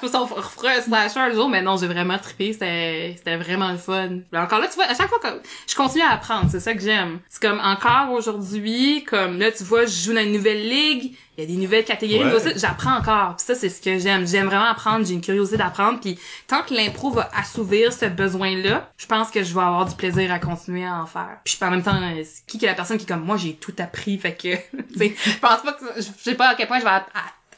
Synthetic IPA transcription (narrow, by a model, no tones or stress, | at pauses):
fosɔ̃fʁfʁøslaʃə˞ləʒuːʁmɛnɔ̃ʒɛvʁɛmɑ̃t̪χi̥pese̥t̪ɛse̥t̪ɛvʁɛmɑ̃ləfɔnɛɑ̃kɑːʁlʌt̪yvwaaʃakfwakɔmʒ̥ə̥kɔ̃t̪inyaːpχɑ̃ːd̪ʁsɛsʌkəʒɛmse̥kɔmɑ̃kɑːʁoʒuʁd̪d͡z̪zɥikʰɔmlʌt̪yvwaʒəʒud̪ɑ̃ynːuvɛlːiɡ | jad̪enuvɛlkʲat̪eɡɔʁisiʒapχɑ̃ɑ̃kɑːʁpi̥sʌsɛsə̥kʲəʒɛmʒɛmvʁɛmɑ̃apχɑ̃d̪ʁʒeynkʲyʁjozit̪eɪd̪apχɑ̃d̪ʁpit̪ɑ̃kəlɛ̃pχovʌʔasuvʁiːʁsəbəzwɛ̃lʌʒ̥ə̥pɑ̃skəʒəvaavwaːʁd̪ypleziːʁakɔ̃t̪inɥeaɑ̃fɛ̰ːʁpi̥ʒpɑ̃mɛ̃mt̪ɑ̃øskʲikəlapɛʁsɔnkʲiɛkɔmːwaʒet̪ʰut̪apχifakʰət͡seʒəpɑ̃spʌkəʒsepɔakʲɛlpwɛ̃ʒəva